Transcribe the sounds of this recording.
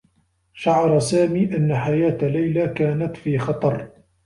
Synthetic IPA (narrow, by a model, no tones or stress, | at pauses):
ʃaʕɑɾˤɑsaːmiːʔanːaħajaːt̪lajlakaːnat̪fiːxɑt̪ˤɑɾˤ